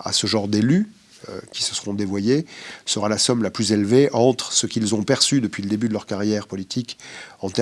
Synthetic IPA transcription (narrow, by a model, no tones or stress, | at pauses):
a̰səʒɑ̃ʁd̪ely̰ | kʲi̥sə̥səʁɔ̃d̪evwajesəʁalasɔmlaplyzelveʔɑ̃t̪χsəkʲilzɔ̃pɛʁsyd̪əpɥiləd̪ebyd̪əlœʁkaʁjɛʁpɔlit̪ʰikɑ̃t̪ɛ